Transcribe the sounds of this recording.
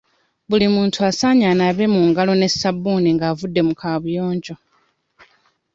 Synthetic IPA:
βulimuːntʰuasaːɲaːnaβe̞muŋɡalo̞ne̞sabːuːniŋɡaːvudːe̞mukʰaːβujo̞ːɲɟo̞

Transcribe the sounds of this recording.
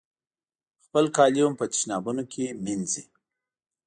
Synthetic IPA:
xpəlkɑljumpət͡ʃi̥ʃnɑbunokʰeminzi

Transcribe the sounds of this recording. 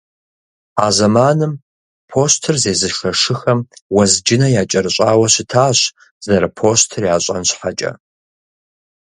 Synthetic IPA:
aːzɐmaːnɨm | pʰoːstʰɨrzeːzɨʂɐʂɨxɐmwɐzd͡ʒɪnɐjaːt͡ʃʼɐrɨɕʼaːwɐɕɪtʰaːɕ | zɐɾɐpʰoːstʰɨrjaːɕʼɐ̰nɕħat͡ʃʼɐ̰

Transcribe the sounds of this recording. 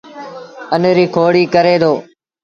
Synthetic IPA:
ənɾiːkʰoːɽiːkəɾeːd̪oː

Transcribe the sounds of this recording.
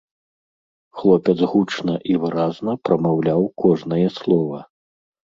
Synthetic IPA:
xlˠɔpʲɛd̪zɣut͡ʂnɐʔivɨɾaznɐpɾɐmawlʲawkɔʐnɐjɛslˠɔvɐ

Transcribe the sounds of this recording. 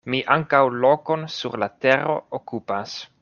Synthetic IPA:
miʔaŋkawloko̞nsuɾlateɾo̞̰okupas

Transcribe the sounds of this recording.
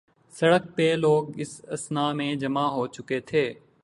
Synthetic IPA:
sɐɽək̚peloːɡɪsɐsnaːmẽd͡ʒɐmaɦoːt͡ʃʊket̪ʰeː

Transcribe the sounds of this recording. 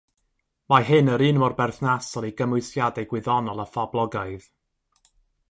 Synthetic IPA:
majɦɨnəɾɨːnmɔrbɛrθnasɔlˠiɡəmʊɨsjadɛjɡwɪðɔnɔlˠafablˠɔɡaɨð

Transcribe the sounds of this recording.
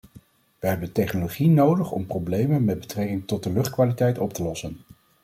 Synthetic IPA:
ʋəɦɛbəntɛχnoloχinowdəχɔ̰mprowblejmənmɛd̚bətrɛkɪŋtɔt̚dəlɵχt̚kʋaːlitɛjtɔp̚təlɔsən

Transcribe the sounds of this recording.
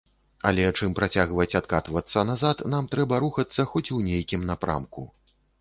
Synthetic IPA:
ɐ̰lʲɛt͡ʂɨmpɾat͡sʲaɣvɐt͡sʲat̪kat̪vɐt̪sːɐnazat̪namt̪ɾɛbɐɾuxɐt̪sːɐxɔt͡sʲuwnʲejkʲimnapɾa̰mkṵ

